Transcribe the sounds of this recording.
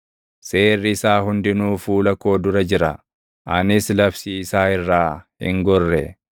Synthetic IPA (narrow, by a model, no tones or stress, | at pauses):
se̞ːrːɪːsaːɦʊnd̪ɪnuːfuːlɐko̞ːd̪ʊɾɐd͡ʒɪɾɐ̰ | ʔɐnɪslɐfsiːɪsaːɪrːaːhɪ̰ŋɡɔrːɛ